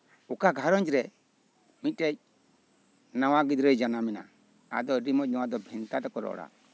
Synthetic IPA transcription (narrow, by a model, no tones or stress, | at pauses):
ukaɡʱaɾɔnd͡ʒɾɛ | mit̪ːɛc̚ | nawaɡid̪ɾɔjd͡ʒanamɛna̰ | a̰d̪ɔɾimɔc̚nawad̪ɔbʱint̪at̪ɔkɔɾɔ̰ɽa̰